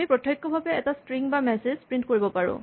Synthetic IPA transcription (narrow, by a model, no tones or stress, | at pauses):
ipɹɔtʰjɔjkːɔbʱabɛɛtastɹiŋbamɛsezpɹint̚koɹibɔpaɹʊ̰̃